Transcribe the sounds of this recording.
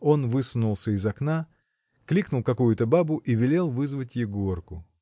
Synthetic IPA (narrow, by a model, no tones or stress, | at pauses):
o̞nvɨsʊnʊlˠsʲəɪzɐkna | klʲiknʊlˠkɐkujʊt̪əbabʊʔivʲɪlʲe̞lˠvɨzvətʲjejɡorkʊ